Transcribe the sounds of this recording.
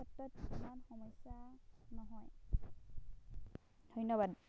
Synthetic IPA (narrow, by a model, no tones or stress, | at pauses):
ɔtːɔtumanxɔmɔjsanɔɦɔj | dʱɔjnɔbad